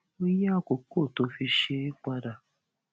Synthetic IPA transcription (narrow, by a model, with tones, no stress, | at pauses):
o˦ja˦˨ko˨ko˦˨to˨˦fi˧ʃe˧ɾi˦k͡pa˧da˨